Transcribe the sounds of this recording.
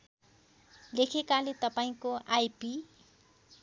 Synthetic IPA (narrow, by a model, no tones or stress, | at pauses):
lekʰekalet̪ʌpaĩkoajpi